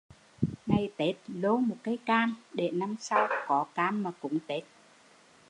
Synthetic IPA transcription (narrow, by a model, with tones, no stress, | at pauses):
ŋa˨˩jt̪e˦˥t̚lo˧˦mo˨˩t̚kaː˨˦jkaː˧mɗe˨˩na˧msa˧wkɔ˨˦kaː˧mːaː˨˩kʊ̰˧˥ŋ͡mt̪e˨˦˥t̚